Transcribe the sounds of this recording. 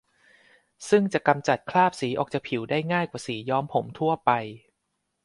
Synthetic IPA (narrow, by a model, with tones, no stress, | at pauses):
sɯ˥˩ŋt͡ɕa˨˩ka˧mt͡ɕa˨˩t̪̚kʰlaː˥˩p̚siː˩˦ʔɔː˨˩k̚t͡ɕa˨˩kpʰi˩˦wdaː˥˩jŋaː˥˩jkwaː˨˩siː˩˦jɔː˦˥mpʰo˩˦mt̪ʰu˥˩ɐəpa˧j